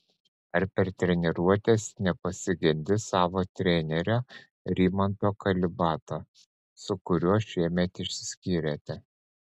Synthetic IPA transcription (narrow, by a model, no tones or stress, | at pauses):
ɐɾpʲɛɾt̪ʲɾʲɛnʲɛɾuɔt̪ʲeːsnʲɛpɐsʲɪɡʲɛnʲd̪ʲɪsɑːʋoːt̪ʲɾʲɛnʲɛɾʲoː | ɾʲiːmɐnt̪oːkɐlʲɪbɑːt̪oː | sʊkʊɾʲuɔʃʲiɛmʲɛt̪ɪʃʲsʲɪ̥sʲkʲiːɾʲeːt̪ʲɛ